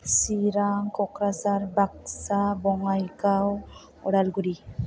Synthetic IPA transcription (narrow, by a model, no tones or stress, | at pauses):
siɾaŋkɔkɾasaɾbak̚sabɔŋajkaw | ɔ̰ɽalɡuɾi